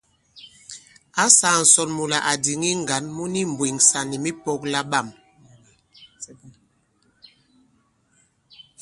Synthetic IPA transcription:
a˦sa˨n̩˨sɔ˨nmu˨la˨ʔa˨di˨ŋi˦ŋ˨ɡa˨˦nmu˦ni˦m˨bwe˨ŋsa˨ni˨mi˦pɔ˦kla˦ɓa˦˨m

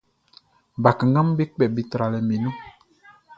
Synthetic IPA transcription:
ba˨ka˨ŋɡa˦m˦be˦k͡pɛ˨bi˨tɾa˨lɛ˨mĩ˨nũ˦

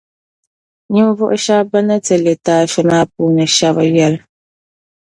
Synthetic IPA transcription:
ɲɨ˦m˦vɔ˦ʔʊ˦ʃa˦ba˦na˦tɛ˨le˨taː˦fɛ˦maː˦p̚uː˦nɨ˨ʃa˦βa˦jɛ˦l

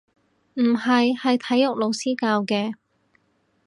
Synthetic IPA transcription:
m̩˨˩hɐ˨jhɐ˨jt̪ʰɐ˨˥jːʊ˨k̚lo˨˧wsiː˥kaː˧wkɛː˧

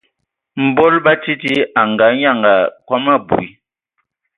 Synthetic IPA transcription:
m̩˨bɔ˦lba˦ti˦ti˦a˨ŋ˨ɡa˨˦ɲa˦˨ŋɡa˨kwɔ˦ma˦˨bṵ˨i˨

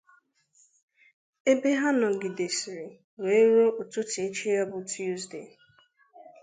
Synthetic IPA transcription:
e˦be˦ɦa˦nɔ˨ɡɪ˨de˨si˨ɾi˨ | we˨˦ɾo˦ʔo˨tu˦ti˨e˦t͡ʃi˦jɔ˦bʊ˦tʰu˦zde˨

